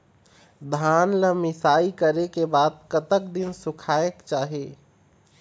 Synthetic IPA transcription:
d̪ʱaːnləmɪsaːikəɾekebaːd̪̚kət̪ək̚d̪ɪnsʊkʰaːjəkt͡ʃaːɦe

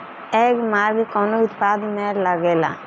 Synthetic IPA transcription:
ɛkmaɾɡkɔnout̪pad̪mɛɾləɡela̰

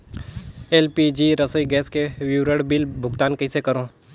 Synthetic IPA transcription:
eːlpid͡ʒiːɾɐsəiɡɛːskewɪwɾəɽbɪlbʱʊɡt̪aːnkɐisekɐɾõː

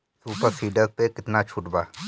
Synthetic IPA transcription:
suːpəɾsiːɖəɾpekɪt̪nat͡ʃʰʊʈbaː

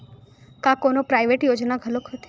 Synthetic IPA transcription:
kãkonopɾajʋeʈjod͡ʒnaɡʱəlokɦət̪ʰ

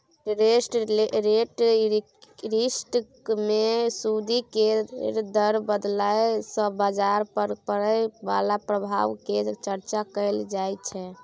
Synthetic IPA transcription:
ɾesʈɾeʈ | ɾisʈ | mesud̪iked̪əɾbəd̪lajsə̃bad͡ʒaɾpəɾpəɾəba̰lapɾəbʱa̰ʋked͡ʒt͡ʃəɾt͡ʃakəjld͡ʒajt͡ʃʰɛ

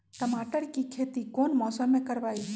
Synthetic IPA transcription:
ʈəmaʈəɾkikʰet̪ikonmɔːsəmːekəɾbaj

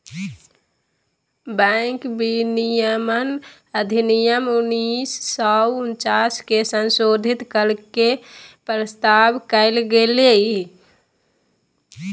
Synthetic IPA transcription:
bə̃ɪkbinijəmən | əd̪ʱinijəmunisːɔunt͡ʃaskesənsod̪ʱit̪kəlkepɾəst̪abkəɪlɡelei

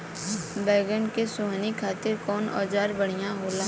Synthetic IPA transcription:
bɛːɡəɳkesʊɦnikʰaːt̪ɪɾkɔːnɔ̰ːd͡ʒaːɾbɐɽ̤ijãɦoːla

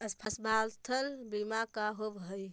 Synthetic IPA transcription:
əspʰəsbalt̪ʰəlbimakaɦobɦəj

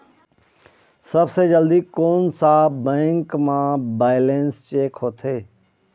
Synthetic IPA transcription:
sɐbsed͡ʒəld̪ikoːnsaːbɛ̃ːŋkmãːbaːɪleːnst͡ʃeːkɦoːt̪ʰeː

